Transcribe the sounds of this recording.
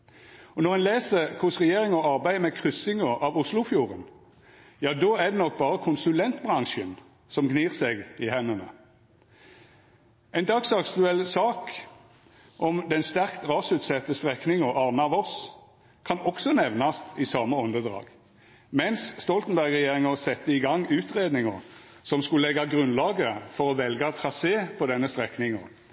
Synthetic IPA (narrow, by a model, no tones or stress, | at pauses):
ɔnɔʁɛnleːsəkʰʊsʁɛjeːʁɪŋɔɑʁbæɪmɛkʰʁʏsɪŋɔʔɑʋʊslʊfjuːʁən | jɑːd̪oːæd̪ɛnɔk̚bɑːʁəkʰʊnsʉlɛnt̪bʁɑŋʃən | sɔmɡniːʁsɛɡɪhɛnənə̰ | ɛɪnd̪ɑɡsɑkt̪ʉɛlsɑːk | ʔɔmd̪ɛnst̪æʁkt̪ʁɑsʉːt̪sɛt̪ːəst̪ʁɛknɪŋɔʔɑʁməɑʋɔs | kʰɑnɔksɔnɛʋnɑst̪ɪsɑməɔnd̪əd̪ʁɑ̰ːɡ̥ | mɛnsst̪ɔlt̪nbæʁɡʁɛjeːʁɪŋəsɛt̪ːəɪɡɑŋːʉːt̪ʁeːd̪nɪŋəʁ | sɔmskʉlɛɡɑɡʁʉnlɑːɡəfɔʁɔʋɛlɡɑt̪ʰʁɑseːpʰɔd̪ɛnːəst̪ʁɛknɪŋəʁ